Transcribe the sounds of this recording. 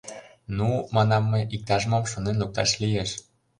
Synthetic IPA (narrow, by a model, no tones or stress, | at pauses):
numɑnɑmːeʔik̚t̪ɑʒmomʃŏnenluk̚t̪ɑ̰ʃlijeʃ